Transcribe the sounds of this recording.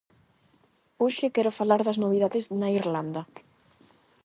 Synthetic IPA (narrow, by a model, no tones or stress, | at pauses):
uʃekɛɾofalaɾðɐznoβ̞iðaðeznaiɾland̪ɐ